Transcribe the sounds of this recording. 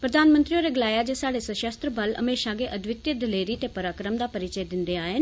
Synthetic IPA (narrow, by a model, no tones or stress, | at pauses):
pɾɐd̪ʱaːnmə̃nt̪ɾijoɾeɡɪlaːjad͡ʑesaːɽesəʃəst̪ɾəbɐlɐ̰meːʃãɡeʔɐd̪ʱʋɪt̪jəd̪ɪleːɾit̪epɐɾaːkɾəmd̪apɐɾɪt͡ɕəjd̪ɪ̃nd̪eaːɦɪn